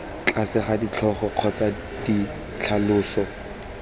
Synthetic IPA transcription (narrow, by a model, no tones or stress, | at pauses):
t͡ɬʼasɪχadit͡ɬʰɔχɔq͡χʰɔt͡sa | d̥i | t͡ɬʰalʊːsɔ